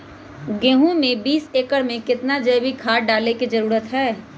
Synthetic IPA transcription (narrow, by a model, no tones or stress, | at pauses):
ɡẽːɦũmẽbiːseːkəɽmẽkɪt̪nad͡ʒɐːbʱikʰaːɖaːlekizɐɾuːɾət̪ɦɛː